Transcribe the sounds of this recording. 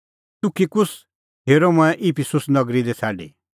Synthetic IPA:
t̪ʊkʰikʊs | ɦeːɾɔmuɛ̃ʔipʰisʊsnɐɡɾid̪ɛt͡sʰaːɖḭː

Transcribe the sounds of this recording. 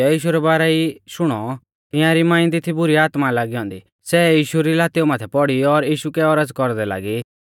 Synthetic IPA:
ɛjiːʃuɾɛbaːɾaiʃʊɽ̃ɔ | t̪ɪ̃jãɾimãːɪ̃nt̪it̪ʰibʊɾiaːt̪malaːɡiɦɔ̃ːnd̪i | sɛjiːʃuɾilaːt̪iɔmaːt̪ʰɛpɔɽiɔɾjiːʃukɛɔɾəd͡zkɔɾd̪ɛla̰ːɡi

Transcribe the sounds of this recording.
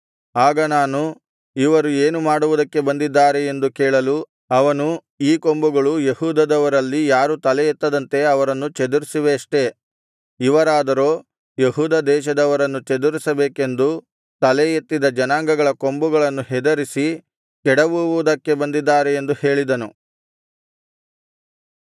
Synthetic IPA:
aːɡɐnaːnu | iʋɐɾueːnumaːɽuʋud̪ɐkːe̞bɐnd̪id̪ːaːɾe̞end̪ukɛːɭɐlu | ɐʋɐnu | iːko̞mbuɡɐɭujehuːd̪ɐd̪ɐʋɐɾɐlːijaːɾut̪ɐlɛjet̪ːɐd̪ɐnt̪e̞ɐʋɐɾɐnːut͡ʃed̪uɾisiʋeɐʂʈe̞ | iʋɐɾaːd̪ɐɾoː | jeɦuːd̪ɐd̪ɛːʃɐd̪ɐʋɐɾɐnːut͡ʃed̪uɾisɐbeːke̞nd̪u | t̪ɐlejet̪ːid̪ɐd͡ʒɐnaːŋɡɐɡɐɭɐko̞mbuɡɐɭɐnːuɦɛd̪ɐɾisi | kɛɽɐʋuʋud̪ɐkːe̞bɐnd̪id̪ːaːɾe̞end̪uhe̞ːɭid̪ɐnu

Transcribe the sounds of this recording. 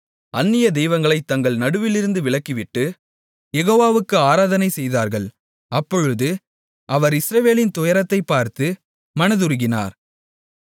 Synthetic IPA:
ɐnːɪjɐd̪ɛjʋɐŋɡɐɭɐɪt̪ːɐŋɡɐɭnɐɽɯʋɪlɪɾɯnd̪ɯʋɪɭɐkːɪʋɪʈːɯ | jɛɣoːʋaːʋɯkːɯaːɾaːðɐnɐɪsɛjðaːɾɣɐɭ | ɐpːɔɻɯðɯ | ʔɐʋɐɾɪsɾɐʋeːlɪnt̪ʊjɐɾɐt̪ːɐɪpːaːɾt̪ɯ | mɐnɐðɯɾɯɣɪna̰ːɾ

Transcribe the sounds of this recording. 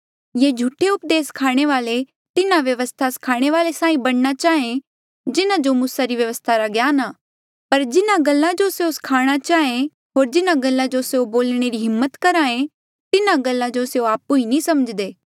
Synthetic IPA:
jed͡ʒʱuʈʰeʊpd̪eːskʰaːɽ̃eʋaːle | t̪ɪnãʋjɐʋəst̪ʰaskʰaːɽ̃eʋaːlesaːĩbɐɽnat͡ʃaːẽ | d͡ʒɪnãd͡ʒomʊsaɾiʋjɐʋəst̪ʰaɾaɡjaːnaː | pɐɾd͡ʒɪnãɡɐlːãd͡ʒoseoskʰaːɽ̃at͡ʃaːẽ | ɦoːɾd͡ʒɪnãɡəlːãd͡ʒoseoboːlɽ̃eɾiɦɪmːət̪kɐɾaːẽ | t̪ɪnãɡɐlːãd͡ʒoseoaːpuinĩsɐməd͡ʒd̪eː

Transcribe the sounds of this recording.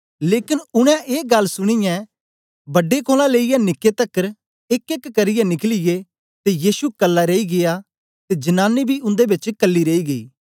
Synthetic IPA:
leːkɪnʊɽ̃ɛ̃ʔeːɡɐlsʊɽ̃ɪjɛ̃ | bɐɖːekʰoːlãleːijɛnɪkːet̪ɐkːəɾ | ɪkekkɐɾɪjɛnɪklɪje | t̪ejiːsukɐlːaɾeiɡɪja | t̪ed͡ʒɐnaːnːibʱiʔʊ̃nd̪ebɪt͡ʃkɐlːiɾeːiɡɐḭː

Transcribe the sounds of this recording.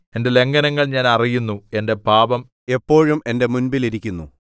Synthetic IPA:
e̞nde̞le̞ŋɡɐnɐŋːɐɭɲaːnɐrijunːue̞nde̞baːbɐm | e̞pːo̞ːɻume̞nde̞munbiliɾikʲːunːṵ

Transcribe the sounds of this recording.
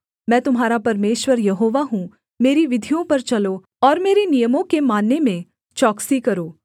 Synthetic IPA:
mɛ̃ːt̪ʊmɦaːɾapɐɾmeːʃwəɾjɐɦoːʋaɦũ | meːɾiʋɪd̪ʱijõpɐɾt͡ʃɐlo | ɔːɾmeːɾenijəmõkemaːnːemẽ | t͡ʃɔːksikɐɾoː

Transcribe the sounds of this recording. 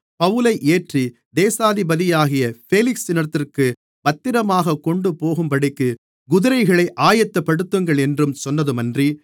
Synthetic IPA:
pɐʋɯlɐɪʔeːʈri | d̪eːsaːðɪbɐðɪjaːɣɪjɐfeːlɪksɪnɐɾt̪ːɪrkɯ | bɐt̪ːɪɾɐmaːɣɐkːɔɳɖɯpoːɣɯmpɐɽɪkːɯ | ɡʊðɯɾɐɪɣɐɭɐɪʔaːjɐt̪ːɐpːɐɽɯt̪ːɯŋɡɐɭɛndrɯmsɔnːɐðɯmɐndri

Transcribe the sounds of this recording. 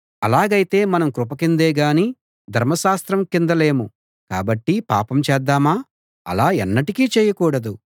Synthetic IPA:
ɐlaːɡɐjit̪e̞ːmɐnɐmkɾupɐkind̪eːɡaːni | d̪ʱɐɾmɐʃaːst̪ɾɐmkind̪ɐle̞ːmu | ka̰ːbɐʈːipa̰ːpɐmt͡ʃɛːd̪ːaːmaː | ɐ̰laːɛnːɐʈikiːt͡ʃɛːjɐkuːɽɐd̪u

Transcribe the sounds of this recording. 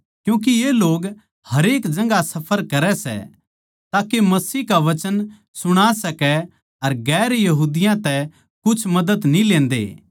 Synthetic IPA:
kjũːk̬ijeloːɡ | hɐɾeːkd͡ʒɐ̃ŋɡasɐpʰəɾkɐɾɛsɛ̰ | t̪aːkemɐsiːɦkaʋɐt͡ʃən | sʊɽ̃asɐkɛ | ɐɾɡɛːɾjɐɦuːd̪ɪjãt̪ɛ | kʊt͡ʃʰmɐd̪əd̪nĩlẽːnd̪ḛː

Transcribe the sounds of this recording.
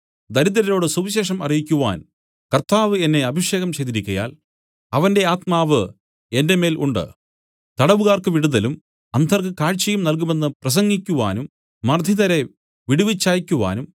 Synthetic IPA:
d̪ɐɾid̪ɐɾɐɾo̞ːɽɨsuʋiɕe̞ːʂɐmɐrijikʲːuʋaːn | kɐrt̪aːʋɨenːe̞ɐbʱiʂe̞ːɣɐmt͡ɕejd̪iɾikʲːɐja̰ːl | ɐʋɐnde̞aːt̪̚maːʋɨ | e̞nde̞me̞ːlʔuɳɖɨ̰ | t̪ɐɽɐʋuɣaːrkɨʋiɽuðɐlum | ɐnd̪ʰʱɐrkɨkaːɻt͡ɕːɐjumnɐlk̬ume̞nːɨprɐs̬ɐŋɡikʲːuʋaːnumː | ɐrd̪ʱiðɐɾe̞ | ʋiɽuʋit͡ɕːaːjikʲːuʋa̰ːnum

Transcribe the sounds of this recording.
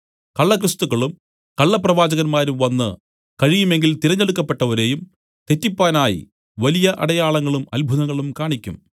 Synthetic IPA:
kɐɭːɐkrɨst̪uɣɐɭum | kɐɭːɐprɐʋaːd͡ʑɐɣɐnmaːɾumʋɐnːɨ | kɐɻijume̞ŋɡilt̪iɾɐɲːɐɽukːɐpːe̞ʈːɐʋɐɾe̞ːjum | t̪e̞tːipːaːnaːjḭ | ʋɐlijɐʔɐ̰ɽɐjaːɭɐŋːɐɭumɐlbʱuðɐŋːɐɭumkaːɳikʲːṵm

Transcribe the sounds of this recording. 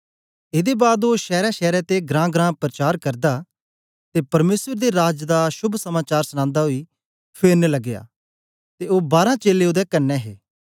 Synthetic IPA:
ɪd̪ebaːd̪oːʃɛːɾaːʃɛːɾɛt̪eɡɾãːɡɾãːpɾət͡ʃaːɾkɐɾd̪a | t̪eːpɐɾmeːswəɾd̪eɾaːd͡ʒd̪aʃʊbʱsəmaːt͡ʃaːɾsənãːnd̪aɦoi | pʰeːɾnləɡɪja̰ː | t̪eoːbaːɾãːt͡ʃeːleːʊd̪ɛkɐnːɛɦḛː

